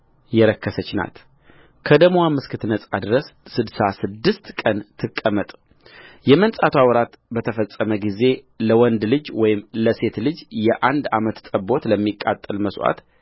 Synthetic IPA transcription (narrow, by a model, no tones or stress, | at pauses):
jɛɾəkʰːəsət͡ʃːna̰t̪ | kʰəd̪əmwamɨskʰɨt̪nəsʼad̪ɾəsːɨd̪sasɨd̪ːɨst̪kʼːənt̪ʰɨkʼːəmət̪ʼ | jɛmənsʼat̪ʰʷawɾat̪ | bət̪ʰəfəst͡sʼːəməɡize̞ | ləwɔnd̪lɨd͡ʒwɔjɪmləse̞t̪lɨd͡ʒjɛʔand̪amət̪t̪ʼəbo̞t̪ləmːikʼa̰t̪ʼːɨlməswʔa̰t̪